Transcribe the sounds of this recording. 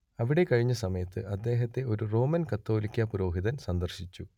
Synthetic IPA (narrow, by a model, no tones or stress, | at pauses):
ɐʋiɽe̞kɐɻiɲːɐsɐmɐjɐt̪ːɨʔɐd̪ːe̞ːɦɐt̪ːe̞o̞ɾuro̞ːmɐnkɐt̪ːo̞ːlikʲːɐpuɾo̞ːɦiðɐnsɐnd̪ɐrɕit͡ɕːu